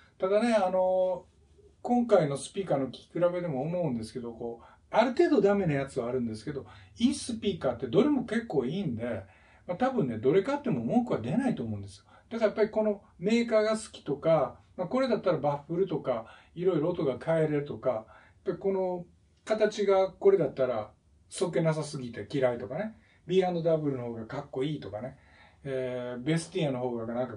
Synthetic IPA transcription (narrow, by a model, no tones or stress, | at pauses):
t̪ad̪ane̞ano̞ | kõ̞ŋkaino̞sɨ̥pʲiːkaːno̞kʲi̥kʲi̥kɯ̟ɾabe̞d̪e̞mo̞ːmo̞ɯ̟̃nd̪e̞sɨ̥ke̞d̪o̞ko̞ː | aɾɯ̟t̪e̞ːd̪o̞d̪ame̞najat͡sɨβaːɾɯ̟̃nd̪esɨ̥ke̞d̪o̞isɨpʲiːkaːt̪ːe̞d̪o̞ɾemo̞ke̞kːo̞ːiːnd̪e̞ | mat̪abɯ̟̃nːe̞d̪o̞ɾe̞kaːt̪ːe̞mo̞mo̞kɯ̟βad̪e̞nait̪o̞ːmõ̞ːnd̪e̞sɨjod̪̥akajapːaɾʲiko̞no̞ | me̞ːkaːɡasɨ̥kʲi̥t̪o̞kamako̞ɾe̞d̪at̪ːaɾabaɸːɯ̟ɾɯ̟t̪o̞ka | iɾo̞iɾot̪o̞ɡakʰae̞ɾe̞ɾɯ̟t̪o̞kajḁpːaɾʲiko̞no̞ | kat̪at͡ɕiɡako̞ɾe̞d̪at̪ːaɾa | soke̞nas̬asɨɡʲit̪e̞kʲiɾait̪o̞kane̞ | bʲiːɾãnd̪o̞d̪abɯ̟ɾɯno̞ho̞ːɡakakːo̞iːt̪o̞kane̞ | ebe̞sɨ̥t̪iano̞ɦo̞ːɡaɡanãŋka